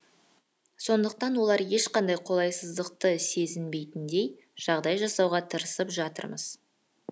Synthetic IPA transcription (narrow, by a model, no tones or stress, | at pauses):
so̞nd̪əq̚t̪ɑnwo̞lˠɑɾje̞ʃqɑnd̪ɑjqʰo̞lˠɑjsəzd̪əqt̪əse̞zɪnbe̞jt̪ɪnd̪e̞j | ʒ̥ɑʁd̪ɑjʒɑsɑwʁɑt̪ʰəɾəsəpʒɑt̪ə̰ɾməz̥